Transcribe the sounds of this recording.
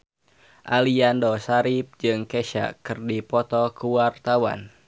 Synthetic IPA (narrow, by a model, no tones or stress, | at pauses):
ʔaliandɔsaɾip̚d͡ʒɨŋkɛʃa̰kɨrdipɔt̪ɔkuwart̪awa̰n